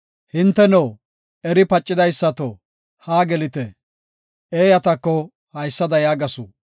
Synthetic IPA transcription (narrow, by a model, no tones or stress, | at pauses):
hɪnt̪ːɛnɔw | ɛɾɪpɐt͡ʃʼːɪd̪ɐjsːɐt̪o | haːɡɛlɪt̪ɛ | eːjɐt̪ɐkːɔ | hɐjsːɐd̪ɐjaːɡɐsṵː